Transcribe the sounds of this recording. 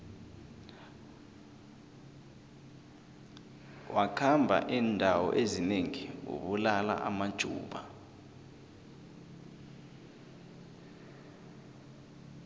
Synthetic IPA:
wʔakʰambʱa̰ʔiːndʱawɔ̰ʔezineŋiṵɓulala̰ʔamad̥ʒ̥ʱuːɓa

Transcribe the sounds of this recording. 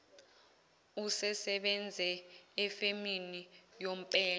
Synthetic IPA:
usɛsɛɓɛnd͡zʱɛɛfeminijom̩pʼɛː

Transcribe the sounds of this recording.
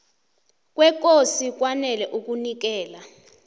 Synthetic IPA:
k̬ʼwɛk̬ʼosik̬wanɛlɛʔuk̬unik̬ɛːla

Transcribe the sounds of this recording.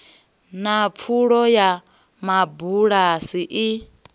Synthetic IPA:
nap̪fʰuɺɔja | mabuɺasiʔi

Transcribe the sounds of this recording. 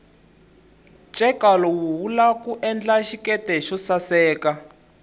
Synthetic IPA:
t͡ʃʼɛkalɔwuɦulakuʔɛnd͡ɮaʃikɛtɛʃɔsasɛːka

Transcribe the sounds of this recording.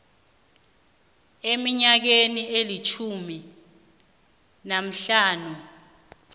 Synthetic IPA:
emiɲak̬enielit͡ʃʰumi | nam̩ɬaːnu

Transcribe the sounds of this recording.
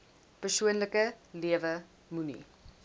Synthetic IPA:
pərsuənləkəliəvə | munḭ

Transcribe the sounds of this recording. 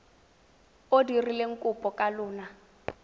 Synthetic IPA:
odirileŋ̩kʼʊpʼɔkʼalʊːna

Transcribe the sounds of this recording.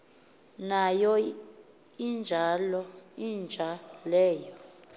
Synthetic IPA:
najɔ | ind͡ʒʱalɔind͡ʒʱalɛːjɔ

